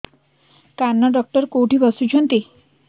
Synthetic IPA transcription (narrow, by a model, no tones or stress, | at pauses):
kanːaɖɔk̚ʈəɾkoʈiːbəsut͡ɕʰənt̪i